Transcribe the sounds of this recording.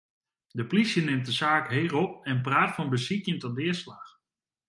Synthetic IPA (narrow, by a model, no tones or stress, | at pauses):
dəplisjənɪmt̚dəsaːkɦeːrɔp̚ɛnpraːtfɔnbəsikjəntəndɪəslaːx